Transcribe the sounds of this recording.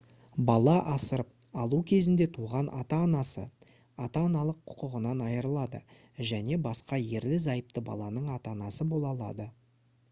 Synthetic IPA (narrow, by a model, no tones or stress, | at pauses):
bɑlˠɑʔɑsəɾəp̚ | ɑlˠukʲʰe̞zɪnd̪e̞t̪ʰuʁɑnʔɑ̰t̪ɑːnɑsə̰ | ɑt̪ɑːnɑlˠəqʰːʊ̥qəʁənɑnɑjəɾəlˠɑd̪ə̰ | ʒæne̞bɑsqɑje̞ɾlɪzɑjəp̚t̪əbɑ̰lˠɑnəɴɑt̪ɑnɑsəbo̞lˠɑlˠɑ̰d̪ə